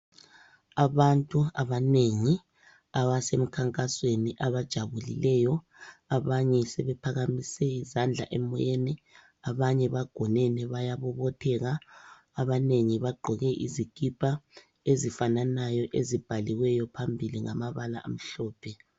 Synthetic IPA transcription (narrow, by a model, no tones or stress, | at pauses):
aβantʼuaβaneŋi | aβasem̩kʰaŋkʼasweniʔaβad̥ʒ̥ʱaβulḭlɛjɔ | aβaɲɛsɛβɛpʰaɣamisɛizand͡ɮʱa̰ʔɛmɔjenɛ | aβaɲɛβaɡ̥ʱɔnɛnɛβajaβɔβɔtʰɛɣaː | βaneŋiβaɡ͡ǃʱɔɣɛʔiziɡ̥ʱʼipʰʼa | ezifananajɔʔezib̥ʱaliwɛjɔpʰambʱiliŋa̰maβala̰a̰m̩ɬɔːpʰɛ